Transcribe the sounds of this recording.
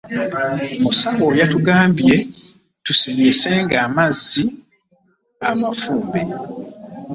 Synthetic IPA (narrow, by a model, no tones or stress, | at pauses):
musawojatuɡaːmbje̞ | tusimiseŋɡaːmazːi | amafuːmbe